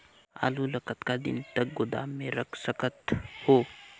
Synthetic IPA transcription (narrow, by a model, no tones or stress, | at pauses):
a̰ːlulɐkət̪kad̪ɪ̰nt̪ɐk̚ɡʊd̪a̰ːmːẽɾɐkʰsəkət̪hoː